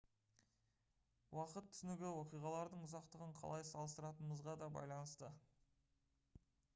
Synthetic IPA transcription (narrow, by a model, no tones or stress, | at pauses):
wɑqət̪ʰːʏ̥sɪnɪɡʲɪwo̞qijʁɑlˠɑɾd̪əɴʊzɑqt̪əʁəɴqʰɑ̰lˠɑjsɑlˠəst̪əɾɑt̪ənəməzʁɑd̪ɑbɑ̰jlˠɑnəst̪ə